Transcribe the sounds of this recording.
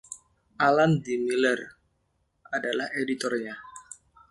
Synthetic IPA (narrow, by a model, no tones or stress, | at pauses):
ʔalandimilər | ʔadalahedit̪ɔrɲa